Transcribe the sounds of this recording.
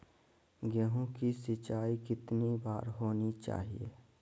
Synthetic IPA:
ɡjəɦõkisɪt͡ʃaːikɪt̪nibaːɾɦoːnit͡ʃa̰ːɦḭḛ

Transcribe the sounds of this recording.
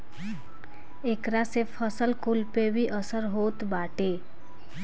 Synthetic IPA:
eːkɾasepʰəsəlkʊlpebʱiʔəsəɾɦoːt̪baːʈeː

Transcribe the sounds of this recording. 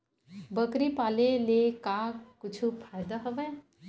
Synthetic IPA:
bəkɾipaːlelekaːkʊt͡ʃʰupʰaːjd̪aɦəʋɛ̃ː

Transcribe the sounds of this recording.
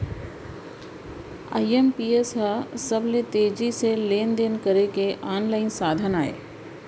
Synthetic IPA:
a̰ːiempiːesɦəsəblet̪eːd͡ʒiseleːnd̪eːnkəɾekeʔaːnlaːɪnsaːd̪ʱənaːḛː

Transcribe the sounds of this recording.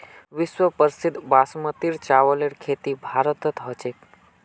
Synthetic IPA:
ʋiswəpəɾsid̪ʱbasmət̪iɾt͡ʃaːʋəleɾkʰeːt̪ibʱaːɾət̪ət̪ɦət͡ʃek

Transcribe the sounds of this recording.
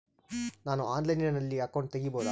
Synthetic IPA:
naːnuaːnlɐjninɐnɐlːiakːoɳ̚t̪eɡiboːd̪a

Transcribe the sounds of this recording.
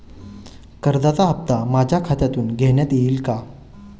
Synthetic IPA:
kəɾd̪at͡saɦəp̚t̪amad͡ʑʱjakʰat̪jat̪uːnɡʱɛɳjat̪jeilka

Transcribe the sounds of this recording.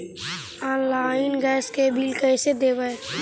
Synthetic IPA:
aːnlaːɪnɡɛːskebʱilkəsed̪eːʋəj

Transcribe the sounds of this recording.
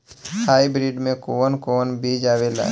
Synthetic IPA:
hʰaːibɾiːɖmẽkoːənkoːnbʱid͡ʒaːʋela̰ː

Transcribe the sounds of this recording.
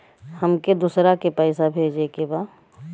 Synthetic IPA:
həmked̪usɾakepɛːsabʱeːd͡ʒekebaː

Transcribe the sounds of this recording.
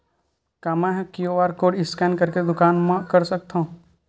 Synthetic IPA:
kaːmɛ̃ɦkijoʋaːɾkoːɖɪskɛːnkəɾked̪ʊkaːnmẽkɐɾsək̚t̪aũ

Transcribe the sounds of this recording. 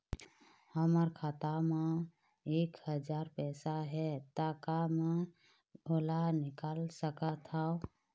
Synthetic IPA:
həməɾkʰat̪ame | ekɦəd͡ʒaɾpɛsaɦɛt̪akamẽ | olanikalsəkət̪ʰaʊ

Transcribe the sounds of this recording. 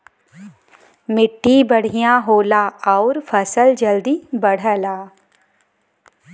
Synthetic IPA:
mɪʈːibəɽ̤ijãɦoːlaːɔːɾfʰəsəld͡ʒəld̪ibəɽ̤əlaː

